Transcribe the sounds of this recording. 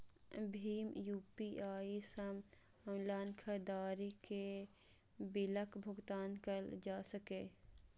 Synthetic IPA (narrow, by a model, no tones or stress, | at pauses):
bʱiːmjuːpiʔaːisəm | əmlaːnkʰəd̪aːɾike | bɪləkbʱʊɡt̪aːnkəld͡ʒaːsəkẽː